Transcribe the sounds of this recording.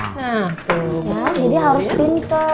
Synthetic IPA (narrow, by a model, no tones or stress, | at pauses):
naht̪ujad͡ʒadiɦaɾʊspint̪ʊ